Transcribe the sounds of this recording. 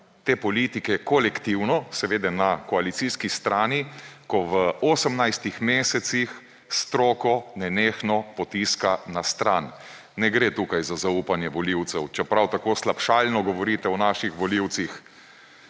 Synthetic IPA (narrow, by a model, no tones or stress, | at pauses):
t̪eːpɔliːt̪ikɛkɔlɛkt̪iwnɔsɛʋeːd̪ɛnakɔalit̪siskist̪ɾaːnikɔʋəɔːsəmnajst̪ixmeːsɛt̪six | st̪ɾɔːkɔnɛneːxnɔpɔt̪iːskanast̪ɾanː | ɛɡɾet̪uːkajzazaupanjɛʋɔliwt̪sɛwt͡ʃɛpɾawt̪akoːslapʃaːlnɔɡɔʋɔɾiːt̪ɛɔnaʃixʋɔliwt̪six